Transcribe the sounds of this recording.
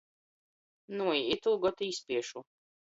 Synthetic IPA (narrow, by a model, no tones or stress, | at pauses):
nuiit̪ulˠɡɔt̪ispʲiɛʃu